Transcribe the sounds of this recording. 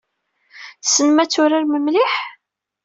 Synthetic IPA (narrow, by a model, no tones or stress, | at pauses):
sənmæt͡sːʊɾaɾməmlɪħ